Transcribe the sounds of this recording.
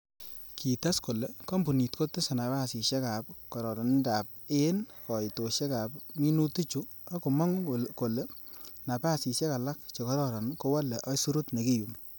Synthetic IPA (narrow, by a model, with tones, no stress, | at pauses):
kʰi˨ta˦sko˨le˨kɔ˦mbu˨ni˨tko˦te˦sa˨na˨βa˦˨si˨ʃɛ˦ka˨p̚kɔ˨ɾɔ˨ɾɔ˨nda˨p̚e˦nkɔ˨jto˨ʃɛ˦ka˨pmi˦nu˦ti˦t͡ʃu˦ | a˦ko˨mɔ˦ŋ˨ko˨le˦na˨pa˦˨si˨sjɛ˦ka˨la˦k̚t͡ʃe˨kɔ˦ɾɔ˨ɾɔ˨nko˦wa˦lɛ˨ʔɔ˦jsu˦ɾo˦tne˨ki˦ju˨m